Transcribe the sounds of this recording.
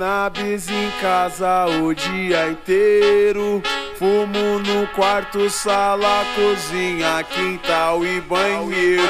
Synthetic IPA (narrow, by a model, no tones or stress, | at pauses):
nabizẽkazɐʊd͡ʒiɐẽt̪eɾʊfumʊnʊkwaɾt̪ʊsalɐkozĩɲɐkĩt̪awɪbɐ̃jɲe